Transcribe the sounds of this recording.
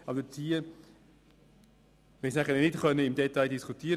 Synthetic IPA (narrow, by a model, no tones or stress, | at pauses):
ɑbd̪ət͡sʰiːə | ʋɛnsnæχəlnɪtχœnəɪmdɛtaɪdiskʰutʰiːəɾ